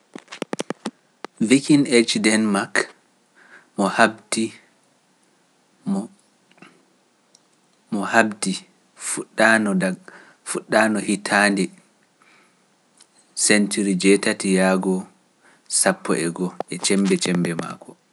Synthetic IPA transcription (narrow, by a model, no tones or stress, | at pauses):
vikinet͡ʃdɛnmak | mɔhabdi | mɔhabdi | fuɗːanɔda | fuɗːanɔhitʰaːndɛ | sɛntuɾid͡ʒɛtatijaːɡɔ | sapːɔ̰ʔɛɡɔʔɛt͡ʃɛmbɛt͡ʃɛmbɛma̰ːkɔ